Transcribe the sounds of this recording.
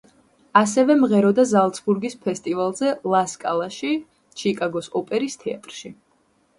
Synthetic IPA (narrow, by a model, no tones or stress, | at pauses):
asɛvɛmʁɛɾɔd̪azalˠt̪sʰbuɾɡispʰɛst̪ʼivalˠzɛlˠaskʼa̰lˠaʃi | t͡ʃʰikʼaɡɔsɔpʼɛɾist̪ʰɛa̰t̪ʼɾʃi